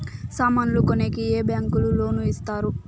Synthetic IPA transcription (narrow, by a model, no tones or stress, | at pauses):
saːmaːnulukonekieːbjaːŋkululo̞ːnuist̪aːɾu